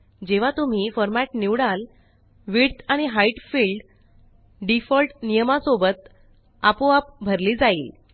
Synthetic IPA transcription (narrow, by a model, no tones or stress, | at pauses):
d͡ʑeʋ̤at̪um̤iːfɔɾmaʈniʋɽal | ʋiɽt̪aɽ̃iɦaiʈfilɖ | ɖifɔlʈnijəmasobət̪ | a̰poap̚bʱəɾliːd͡zaiːl